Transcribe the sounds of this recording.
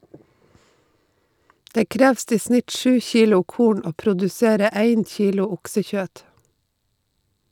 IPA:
ˈdeː ˈkɾɛʋst ˈiː ˈsnɪt ˈʃʉː ˈçiːlʊ ˈkuːɳ ˈoː pɾʊdʉˈseːɾə ˈæɪn ˈçiːlʊ ˈʊksəˌçøːt

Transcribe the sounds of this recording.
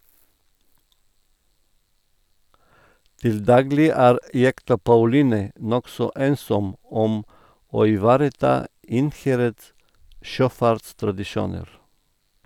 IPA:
ˈtɪl ˈdɑːɡlɪ ˈæːɾ ˈjɛktɑ pɑʉˈliːnɛ ˈnɔksɔ ˈeːnsɔm ˈɔm ˈoː ɪˈʋɑːɾəˌtɑː ˈɪnˌhæɾəds ˈʃøːˌfɑɾtstɾɑdɪˌʃuːnəɾ

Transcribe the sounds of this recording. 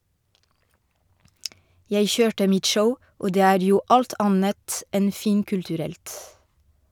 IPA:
ˈjeɪ ˈçøːʈə ˈmɪt ˈʃəʊ ˈoː ˈdeː ˈæːɾ ˈjuː ˈʔɑlt ˈɑnət ˈɛn ˈfiːŋkʉltʉˌɾɛlt

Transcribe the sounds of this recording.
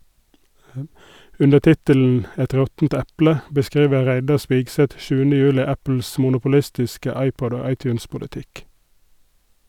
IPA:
ˈʉnə ˈtɪtəln̩ ˈɛt ˈɾɔtn̩t ˈɛplə bəˈskɾiːʋə ˈɾæɪdɑ ˈspɪɡˌsɛt ˈʃʉːənə ˈjʉːlɪ ˈæpl̩s mʊnʊpʊˈlɪstɪskə ˈɑɪˌpɔd ˈoː ˈɑɪˌtjʉːnspʊlɪˌtɪk

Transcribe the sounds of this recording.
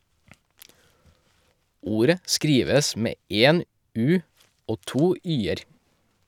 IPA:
ˈuːɾə ˈskɾiːʋəs ˈmeː ˈeːn ˈʉː ˈoː ˈtuː ˈyːəɾ

